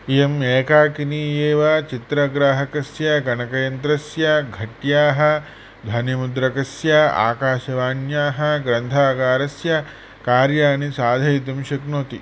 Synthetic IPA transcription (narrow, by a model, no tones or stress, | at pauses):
jɐmeːkaːkiniːjeːʋat͡ʃit̪ɾɐɡɾaːɦɐkɐsjɐɡɐnɐkɐjɐnt̪ɾɐsjɐɡʱɐʈjaːɦɐ̆ | d̪ʱɐnjɐmud̪ɾɐkɐsjaa̰ːkaːʃɐʋaːnjaːɦɐ̆ɡɾɐnt̪ʰaːkaːɾɐsjɐ | kaːɾjaːnisaːd̪ʱɐjit̪̬ɐmʃɐknoːt̪i